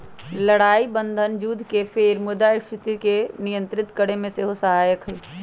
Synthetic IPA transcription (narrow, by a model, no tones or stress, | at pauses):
ləɽaːibənd̪ʱənd͡ʒuːd̪ʱkepʰeːɾmʊd̪aɪʃɾɪt̪ikenijə̃nt̪ɾɪt̪kəɽemẽseɦosəɦaːjəkɦɛː